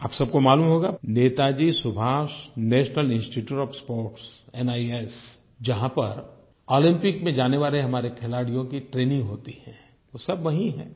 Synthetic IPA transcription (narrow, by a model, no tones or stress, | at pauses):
a̰ːpsɐb̚komaːluːmɦoːɡaneːt̪ad͡ʒiːsʊbʱaːʃnɛːʃnəlɪ̃nsʈiʈjuːʈɔːfspoːɾʈsɛnaːies | d͡ʒɐɦãpɐɾ | ɔːlɪ̃mpɪkmẽd͡ʒaːneʋaːleɦɐmaːɾekʰɛlaːɽijõkiʈɾeːnɪ̃ŋɡɦoːt̪ihɛ̃ | ʋoːsɐbʋɐɦĩɦɛ̰ː